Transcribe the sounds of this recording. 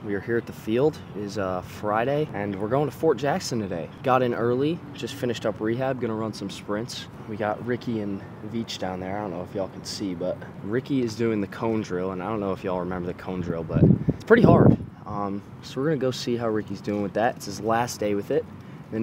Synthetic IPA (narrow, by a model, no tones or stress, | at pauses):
wiə˞hiɹɨt̪̚ðəfilˠd | ɪzʌfɹaɪɾeɪɨ̃nwɪɹɡoʊɪ̃ŋtʰɨfɔɹt̚d̥ʒ̥æksɨ̃ntʰɨdeɪɡ̥ɑɾɨ̃nʔɜ˞lˠi̥d͡ʒ̥ʌstfɪ̃nɨʃtʌpɹiɦæb̚ɡʌnəɹʌ̃nsʌ̃m̩spɹɪ̃nts | wiɡɑʔ̚ɹɪkiɨ̃n | vit͡ʃd̥ãʊ̃nðə˞aɪõʊ̃nːoʊɨfjɨɔlˠkʰn̩sibʌt̚ɹɪkiɪzdʉɪ̃ŋðɨkʰõʊ̃ndɹɪlˠə̃naɪdõʊ̃nːoʊəfjɨɔlˠɹɨmɛ̃mbə˞ðɨkʰõʊ̃ndɹɪlˠbʌt̚spʰɹ̥ɪɾiɦɑɹd̥ | ʌ̃m | soʊwəɹɡʌnɨɡoʊsiɦaʊɹɪkizdʉɪ̃ŋwɨðætɨtsɨzlæsd̥eɪwɨðɪt̚ | ðɨ̃